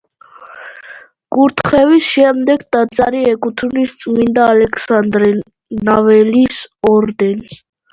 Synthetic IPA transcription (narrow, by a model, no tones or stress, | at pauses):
ɡ̥ʼuɾt̪ʰχɛvisʃɛmd̪ɛɡd̪ʼad̪zaɾiɛkʼut̪ʰunist̪sʼmind̪aːlɛkʰsand̪ɾɛ | navɛlisɔɾd̪ɛni